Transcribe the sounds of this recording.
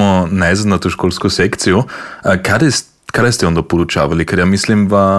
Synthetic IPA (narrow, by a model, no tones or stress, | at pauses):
ɔnaɪzad̪nat̪uʃkolskʊsɛkt̪siʊəkʰad̪ɛst̪ | kʰad̪ɛst̪ɛɔnd̪ɐpoɾut͡ʃavalikʰɛɾjamislimva